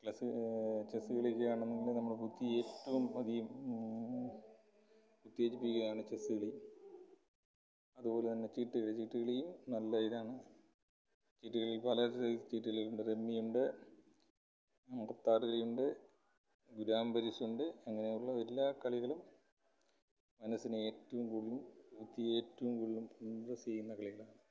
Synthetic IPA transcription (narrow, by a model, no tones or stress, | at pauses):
klɐsɨt͡ɕesːɨɣɐɭikʲːɐɐjaːɳenːeŋɡilnɐmːɐɭput̪ːie̞ːtːɐʋumɐðijum | put̪ːieːtːipːikːuɣɐjaːɳɨt͡ɕesɨɣɐɭijum | ɐðubo̞ːlet̪ɐnːe̞t͡ɕiːʈːɨɣɐɭɨt͡ɕiːʈːɨɣɐɭijumnɐlːaːjiðaːɳɨ | t͡ɕiːʈːuɣɐɭilpɐlɐt͡ɕiːʈːuɣɐɭiluɳɖeɾe̞mːijuɳɖe | ɐŋɡɐt̪ːaːɾuɣɐɭijuɳɖe | ɡuɾaːmbɐɾisuɳɖeeŋːɐne̞juɭːɐelːaːkɐɭiɣɐɭum | mɐnɐsinɨeːtːɐʋumkuːɭilumut̪ːie̞ːtːɐʋumkuːɭilumpund̪rɐseːjunːɐkɐɭiɣɐɭaːɳɨ